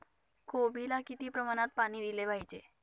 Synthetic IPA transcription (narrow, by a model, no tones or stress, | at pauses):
kʰobʱilakit̪ipɾəmanat̪̚panid̪ileʋajt͡ʃʰḛ